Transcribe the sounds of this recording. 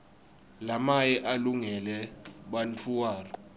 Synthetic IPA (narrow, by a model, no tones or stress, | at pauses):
lamajɛʔaluŋɛlɛɓant͡fʰuwaːrɔ